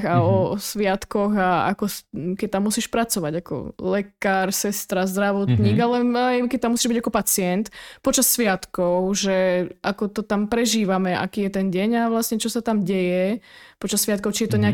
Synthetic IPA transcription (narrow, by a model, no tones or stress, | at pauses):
ɣaɔsʋɪat̪kɔɣaa̰kɔkɛc̚t̪amːusiːʃpɾat͡sɔʋaɟakɔ̰lɛkaːɾsɛst̪ɾazd̪ɾaʋɔt̪ɲiːɡalɛajkɛc̚t̪amːusiːʒbiɟakɔpat͡sɪɛnt̪pɔt͡ʃasːʋɪat̪kɔʊʒɛʔakɔt̪ɔt̪ampɾɛʒiːʋamɛʔa̰kiːjɛt̪ɛnɟɛɲaʋlasɲɛt͡ʃɔsat̪amɟɛjɛpɔt͡ʃasːʋɪat̪̚kɔʊt͡ʃijɛt̪ɔɲɛa